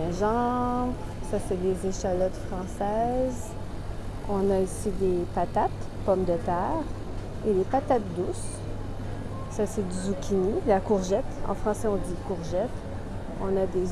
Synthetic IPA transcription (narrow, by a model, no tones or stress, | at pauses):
ɛ̃ʒɑ̃bʁsasɛd̪ezeʃalɔt̪fχɑ̃sɛz | ɔ̃naisid̪epat̪at̪ | pɔmd̪ət̪ɛːʁ | elepat̪at̪̚d̪us | ased̪yzukʲinilakuʁʒɛt̪ɑ̰̃fχɑ̃sɛɔ̃d̪ikuʁʒɛt̪ | ɔ̃nad̪e